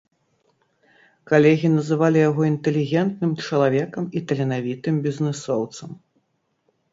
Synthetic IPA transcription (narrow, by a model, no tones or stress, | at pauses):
kalʲɛɣʲinɐzɨvalʲijaɣɔint̪ɛlʲiɣʲɛnt̪nɨmt͡ʂɐlˠavʲɛkɐmit̪ɐlʲɛnavʲit̪ɨmbʲiznɨsɔwt̪sɐm